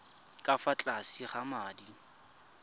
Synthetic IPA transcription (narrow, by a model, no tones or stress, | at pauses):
kʼafat͡ɬʼasiχamadi